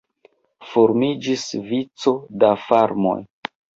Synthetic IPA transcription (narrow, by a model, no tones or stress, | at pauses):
fo̞ɾmid͡ʒisvit͡so̞dafaɾmo̞̰j